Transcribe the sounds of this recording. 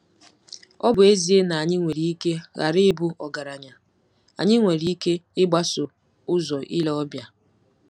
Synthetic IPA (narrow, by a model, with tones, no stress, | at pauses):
ɔ˦bʊ˨e˦zi˦e˦na˨a˨ɲɪ˦ŋʷe˨ɾi˦i˦ke˦ɣa̰˨ɾɪ˦ɪ˦bʊ˦ʔɔ˨ɡa˨ɾa˨ɲa˨ | a̰˨ɲɪ˦ŋʷe˨ɾi˦i˦ke˦ɪ˦ɡ͡ba˦sʊ˨ | ʊ˦zɔ˨ʔi˦lɔ˦bja˨